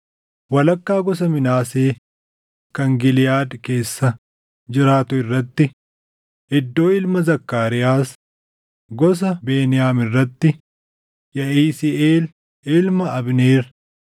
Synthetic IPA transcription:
wɐlɐkːaːɡɔs̬ɐmɪnaːseː | kɐŋɡɪlɪjaːd̪ke̞ːsːɐ | d͡ʒɪɾaːt̪ʊɪrːɐt̪ːɪ | ʔɪd̪ːo̞ːɪlmɐzɐkːaːɾɪjaːs | ɡɔs̬ɐbeːnɪjaːmɪrːɐt̪ːɪ | jɐʔiːsieːl | ɪlmɐɐbneːɾ

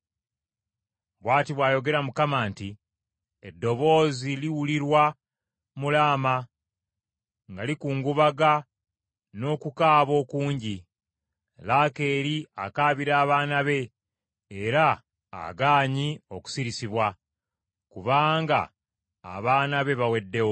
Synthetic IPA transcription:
βwaːtiβwaːjo̞ɡe̞ɾamukamaːnti | edːo̞βo̞ːziliwuliɾwa | mulaːma | ŋɡalikuːŋɡuβaɡa | no̞ːkukaːβo̞ːkuːɲɟi | laːke̞ːɾia̰kaːβiɾaːβaːnaβe̞ | eɾa̰ː | ɡaːɲio̞ku̥siɾisiβwa | kuβaːŋɡa̰ː | βaːnaβe̞βawe̞dːe̞wo

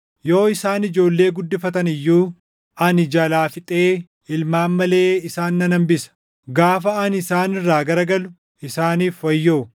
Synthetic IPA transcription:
jo̞ːɪsaːnɪd͡ʒo̞ːlːe̞ːɡʊd̪ːɪfɐt̪ɐnɪjːuː | ɐnɪd͡ʒɐlaːfɪt̪ʼeː | ɪlmaːmːɐle̞ːɪsaːnːɐnɐmbɪsɐ̥ | ɡaːfɐːnɪsaːnɪrːaːɡɐɾɐɡɐlʊ | ɪsaːniːfwɐjːoː

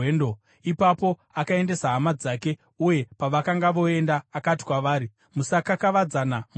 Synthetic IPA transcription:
endo | ipapo̞ | akae̞nde̞saɦamad͡zake̞ | uje̞paʋakaŋɡaʋo̞e̞ndaːkati̥kwaʋaːɾi | musakakaʋad͡zanam

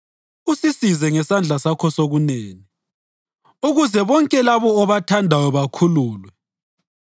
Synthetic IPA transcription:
usisizɛŋɛsand͡ɮʱasakʰɔsoɣuneːni | uɣuzɛβɔŋkʼɛlaβɔːβatʰandʱajɔβakʰuluːlwɛ

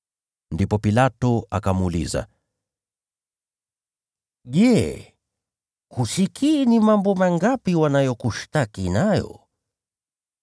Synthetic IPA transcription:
ndipɔpilatɔakamulḭza̰ | ʄɛ | kusikʰinimambɔmaŋɡapiwanajɔkuʃtakinajɔ̰

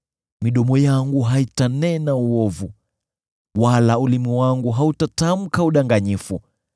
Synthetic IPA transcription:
miɗɔmɔjaŋɡuɦaitanɛnauɔvu | walaulimiwaŋɡuɦautatam̩kauɗaŋɡaɲifu

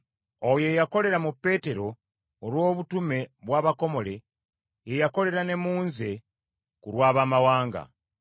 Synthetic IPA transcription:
oje̞jako̞le̞ɾamupːe̞ːte̞ɾo̞ː | lwo̞ːβutume̞βwaːβako̞mo̞le̞ | jejako̞le̞ɾane̞muːnze̞ | kuɾwaːβaːmawaːŋɡa̰

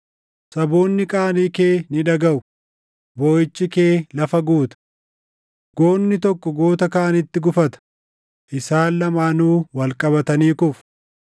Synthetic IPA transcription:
sɐboːnːɪkʼaːniːkeːnɪᶑɐɡɐʔʊ | boːjɪt͡ʃːɪke̞ːlɐfɐɡuːt̪ɐ̥ | ɡ̥o̞ːnːɪt̪ɔkːɔɡo̞ːt̪ɐkaːnɪt̪ːɪɡʊfɐt̪ɐ̥ | ʔɪsaːlːɐmaːnuːwɐlkʼɐbɐt̪ɐniːkʊf

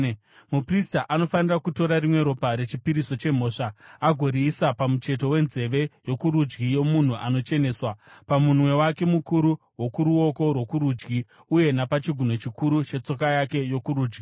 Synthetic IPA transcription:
mupristaʔano̞fanirakuto̞ɾarimwe̞ɾo̞paɾe̞t͡ʃipiɾiso̞t͡ʃe̞m̤o̞ːʂaaɡʱo̞ɾiːsapamut͡ʃe̞t̬o̞we̞nze̞ʋe̞jo̞kuɾud͡ʒɡijo̞mun̤uʔano̞t͡ʃe̞ne̞ːswapamunwe̞wake̞mukuɾu | wo̞kuɾuo̞ko̞rwo̞kuɾuːd͡ʒɡi | uje̞napat͡ʃiɡʱuno̞t͡ʃikuɾut͡ʃe̞t͡so̞kajake̞jo̞kuɾuːd͡ʒɡi

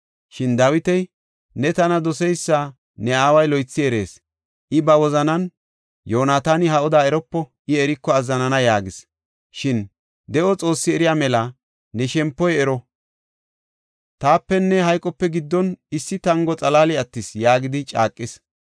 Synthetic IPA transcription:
ʃɪnd̪ɐwɪt̪ɛj | nɛt̪ɐnɐd̪ɔsɛjsːa | nɛaːwɐjlɔjt͡sːɪɛɾe̞̰ːs | ʔɪbɐwɔzɐnɐn | joːnaːt̪aːnɪɦɐɔd̪aːɛɾɔpːɔʔɪɛɾɪkːɔɐzːɐnɐnɐjaːɡɪs | ʃɪn | d̪ɛʔɔt͡sʼo̞ːsːɪɛɾɪjaːmɛlɐ | nɛʃɛmpːɔjɛɾɔ | t̪aːpːɛnːɛɦɐjkʼːɔpːɛɡɪd̪ːɔnɪsːɪt̪ɐŋɡɔt͡sʼɐlaːlɪɐt̪ːɪsjaːɡɪd̪ɪt͡ʃʼa̰ːkʼːɪs

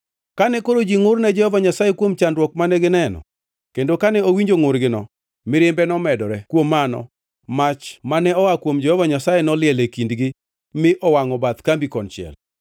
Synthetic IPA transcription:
kanɛkoɾod͡ʒiŋʊrnɛd͡ʒɛhɔvaɲasajɛkwomt͡ʃandwɔk̚manɛɡɪnɛnɔ̰ | kendokanɛowiɲd͡ʒoŋʊɾɡɪnɔ | mɪɾɪmbɛnɔmɛdɔɾɛkwomːanɔ̰ | mat͡ʃmanɛɔwakwomd͡ʒɛhɔvaɲasajenɔlɪɛlekindɡɪ | mɪʔɔwaŋɔbat̪kambikɔnt͡ʃɪɛ̰l

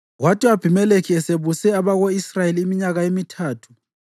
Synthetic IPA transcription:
ɣwatʰʼiab̥ʱimɛlekʰiɛseβusɛaβaɣoisrajeliːmiɲaɣaemitʰaːtʰu̥

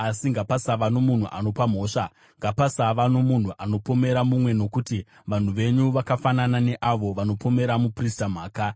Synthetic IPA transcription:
asiŋɡapasaʋano̞mun̤uʔano̞pam̤o̞ːʂa | ŋɡapasaʋanomun̤uʔano̞po̞me̞ɾamumwe̞no̞kuti | ʋan̤uʋe̞ɲuʋakafananane̞ʔaʋo̞ʋano̞po̞me̞ɾamupristam̤aːka

